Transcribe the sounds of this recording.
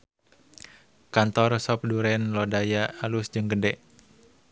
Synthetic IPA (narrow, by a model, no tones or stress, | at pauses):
kant̪ɔrsɔp̚duɾɛnlɔdajaːlusd͡ʒɨŋɡədɛʔ